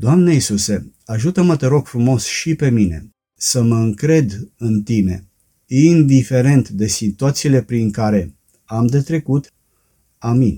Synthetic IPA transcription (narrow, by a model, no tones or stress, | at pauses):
d̪oamneisuse̞ | aʒut̪əmət̪e̞ɾo̞ɡ̥fɾumo̞sʃipe̞mine̞̰ | səməɨŋkɾe̞d̪ɨnt̪ine̞̰ | ind̪ife̞ɾe̞nt̪d̪e̞sit̪uat̪siːle̞pɾiŋkaɾe̞ | amd̪e̞t̪ɾe̞kut̪ | amin